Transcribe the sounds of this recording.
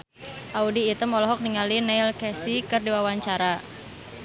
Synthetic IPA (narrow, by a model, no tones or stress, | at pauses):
ʔaudiːt̪əmɔlɔɦɔk̚niŋalinɛilkɛsikɨrdiwawaɲt͡ʃaɾa